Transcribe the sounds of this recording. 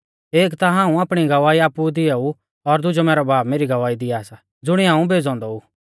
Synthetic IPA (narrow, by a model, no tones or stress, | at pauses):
eːkt̪aɦãːũaːpɽ̃iɡɐʋaːiaːpːud̪ɪjau | ɔɾd̪ʊd͡ʒomɛːɾɔbʱaːbmeːɾiɡɐʋaːid̪ɪjaːsa | d͡zʊɽ̃iɦãːũbʱeːd͡zɔ̃ːnd̪ɔuː